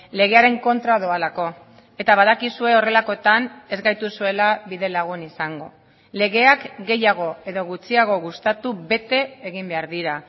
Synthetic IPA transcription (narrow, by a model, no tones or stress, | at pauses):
le̞ɣ̞e̞aɾe̞ŋko̞nt̪ɾaðoalako̞ | e̞t̪aβaðakisue̞o̞re̞lako̞t̪ane̞zɡajt̪usue̞laβiðe̞laɣ̞unisaŋɡo̞̰ | le̞ɣe̞akɡe̞jaɣ̞o̞e̞ðo̞ɣut͡siaɣ̞o̞ɣust̪at̪uβe̞t̪e̞ːɣ̞imbe̞aɾðiɾa